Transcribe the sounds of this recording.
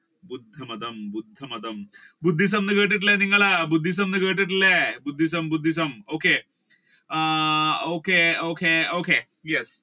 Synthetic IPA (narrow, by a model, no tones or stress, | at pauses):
bud̪ʱːəmɐd̪əmbud̪ʱːəmɐd̪əmbud̪ʱːis̬ɐmnəɡəʈ̬iʈ̬leniŋɡaɭabud̪ʱːis̬ɐmnəɡəʈ̬iʈlebud̪ʱːis̬ɐmbud̪ʱːis̬ɐmoke | okeokeoke | jɛs